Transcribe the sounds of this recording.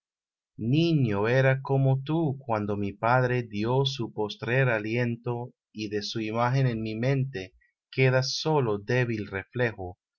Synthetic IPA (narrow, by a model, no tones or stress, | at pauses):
nĩɲoe̞ɾakomot̪ukwand̪o̞mipaðɾe̞djo̞s̬upo̞st̪ɾe̞ɾalje̞nt̪o̞ | iðe̞suimaxe̞nenmimẽ̞nt̪e | ke̞ðaso̞lo̞d̪e̞βilre̞fle̞xo